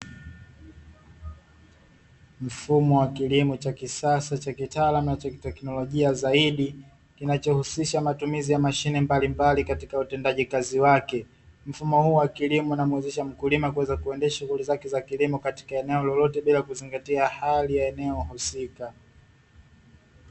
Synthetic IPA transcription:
m̩fumɔwakilimɔt͡ʃakisasat͡ʃakitaːlamunat͡ʃakitɛknɔlɔʄiazaiɗi | kinat͡ʃɔhusiʃamatumizijamaʃinɛmbalimbalikatikautɛndaʄikaziwakɛ | m̩fumɔhuːwakilimɔunamuwɛzɛʃam̩kulimakuwɛzakuɛndɛaʃuɣulizakɛzakilimɔkati̥kaɛnɛɔlɔlɔtɛɓilakuziŋɡatiahalijaɛnɛɔhusika

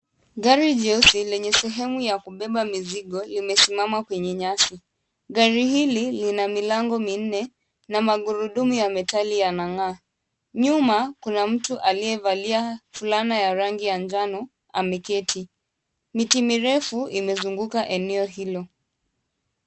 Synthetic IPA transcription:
ɡaɾiʄɛsilɛɲɛsɛɦɛmujakuɓɛɓamiziɠɔlimɛsimamakwɛɲɛɲasi | ɠaɾihililinamilaŋɡɔmin̩nɛ | namaɠuɾuɗumujamɛtalijanaŋa | ɲumakunam̩tuʔaliɛvaliafulanajaɾaŋɡijaɲd͡ʒanɔ | amɛkɛtʰi | mitimiɾɛfuimɛzuŋɡukaʔɛnɛɔɦilɔ

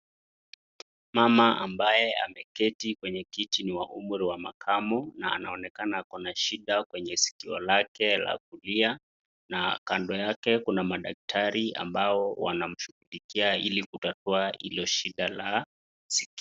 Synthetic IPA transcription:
mamaʔambajɛa̰mɛkɛtikwɛɲɛkitiniwaʔumuɾiwamakʰamɔna̰ːnaɔnɛkanakɔnaʃiɗakwɛɲɛsi̥kiɔ̰lakɛla̰k̚ulia | nakandɔjakɛkunamaɗak̚tʰaɾia̰mbaɔwa̰nam̩ʃuhulikiailikutatuailɔʃiɗala | sik

